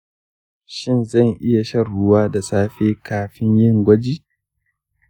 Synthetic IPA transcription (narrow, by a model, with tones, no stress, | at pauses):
ʃɪ˦nzɐ˦˨ŋʔɪ˦ja˨ʃɐ˦rɽʊ˦waː˦da˨saː˦ɸeː˦kaː˨ɸɪ˦ɲjɪ˦˨ŋɡʷɐ˦d͡ʒiː˦˨